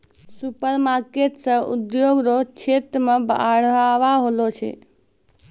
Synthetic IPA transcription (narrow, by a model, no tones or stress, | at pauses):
supəɾmaɾkeʈsə̃ṵd̪joɡɾot͡ʃʰet̪ɾmeba̰ɽaʋaɦolot͡ʃʰɛ̰